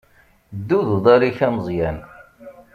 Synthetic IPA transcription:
d̪ːuðuðˤæɾiçæməzˤjæn

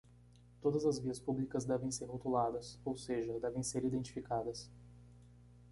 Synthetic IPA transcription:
t̪od̪ɐzɐzviɐspublikɐzd̪ɛvẽj̃seɾɦot̪ulad̪ɐsowseʒɐd̪ɛvẽj̃seɾid̪ẽnt͡ʃifikad̪ɐs

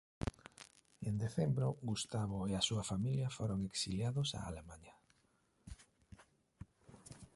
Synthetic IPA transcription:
end̪eθembɾoɡust̪aβ̞oeasuɐfamiljafoɾoŋeksiljaðosa̰a̰lemaɲa

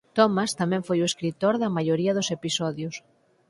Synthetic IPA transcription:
t̪ɔmast̪amɛ̃ɱfojueskɾit̪oɾðɐmajoɾiɐðʊsepisɔðjʊs

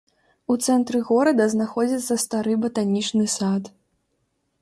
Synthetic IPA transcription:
ut̪sɛnt̪ɾɨɣɔɾɐd̪ɐznaxɔd͡zʲɐt̪sːɐst̪aɾɨbɐt̪anʲit͡ʂnɨsat̪

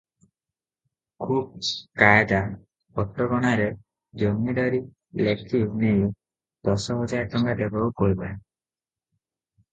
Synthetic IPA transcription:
kʰub̚kajd̪a | ɔʈːɔɡɔɽ̃aɾe | d͡ʒɔmiɖɔɾi | lekʰineju | d̪̥ɔsɔɦɔd͡ʒajʈɔŋɡad̪ebɔukɔibae

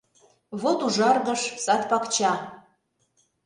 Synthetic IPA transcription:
βot̪uʒɑrɣəʃsɑt̪̚pɑkt͡ɕɑ

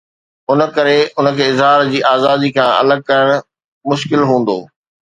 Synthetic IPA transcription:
ʊnə̆kɐɾeʊnə̆kʰeːɪzɦaːɾd͡ʑiːʔaːzaːd̪ikʰãːɐ̰ləɡ̚kɐɾəɽ̃ʊ̆ | mʊʃkɪlɦũːn̆d̪o̰ː

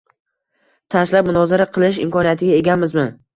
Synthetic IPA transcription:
t̪ʰaslap̚mʊnɒzaɾaqʰɨlˠɪʃ̬ɪ̰mkɒnijat̪ʰɪɡʲae̞ɡʲanmɪzmɪ

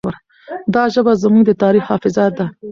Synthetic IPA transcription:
aɾ | d̪ɑʒəbazamuŋɡd̪ət̪ɑɾixhɑfɪzɑt̪̚d̪a

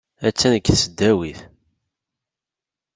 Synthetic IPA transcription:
æt͡sːænəkːθsəd̪ːæwiθ

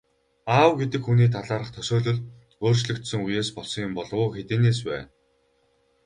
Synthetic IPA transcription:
aːwɡet̪ɘ̆kxuniːt̪ʰaɮaːɾə̆χt̪ʰœsoːɮɵ̆ɮ | oːrt͡ɕɮɵ̆kt̪sɵ̆ŋujeːspɔɮsɞ̆ŋjʊmpɔɮwʊːxet̪eːneːs̬pæ̰ːn

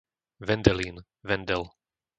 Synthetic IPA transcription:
ʋɛnd̪ɛliːn | ʋɛnd̪ɛl

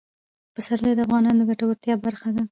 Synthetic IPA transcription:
pəsaɾled̪əafɣɑnɑnod̪əɡaʈawaɾt̪jɑbaɾxad̪a

